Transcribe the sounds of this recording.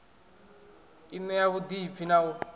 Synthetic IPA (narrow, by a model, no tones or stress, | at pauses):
inɛjaβud̪ifinawɔ